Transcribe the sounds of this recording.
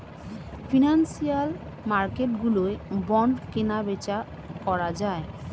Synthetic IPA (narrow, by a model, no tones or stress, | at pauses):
finansial | maɾkeʈɡuloebɔɳɖkenabet͡ɕa | kɔɾad͡ʑae